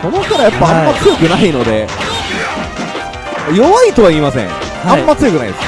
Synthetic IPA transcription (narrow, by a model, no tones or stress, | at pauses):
so̞no̞kaɾajapːaãmːat͡sɨjo̞kɯ̟naino̞d̪e̞ | ajo̞βait̪o̞βaiːmasḛ̃ŋ | ãmːat͡sɨjo̞kɯ̟naḭd̪es